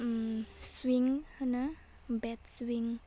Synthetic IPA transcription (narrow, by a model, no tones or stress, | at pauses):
mswiŋhənə | bɛt̪̚swiŋ